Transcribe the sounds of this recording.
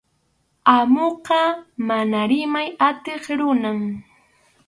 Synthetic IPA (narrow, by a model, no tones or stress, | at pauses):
amoqɑmanaɾɪmajat̪eχɾʊnam